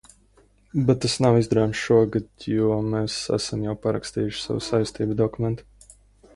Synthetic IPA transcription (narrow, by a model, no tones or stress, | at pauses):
bet̪ːasnawizd̪ɾaːmsʃuɔɡad̪̥juɔmeːsæ̰samjawpaɾa̰kst̪iːjʊʃsa̰wusajst̪iːbd̪ɔkumɛnt̪u̥